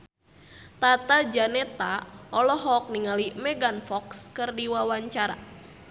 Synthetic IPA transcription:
t̪at̪ad͡ʒanɛt̪aʔɔlɔɦɔk̚niŋalimɛɡanfɔkskɨrdiwawaɲt͡ʃaɾa̰

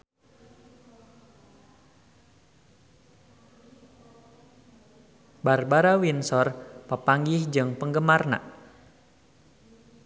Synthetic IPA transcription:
barbaɾawinsɔrpəpaŋɡihd͡ʒɨŋpəŋɡəmarna̰

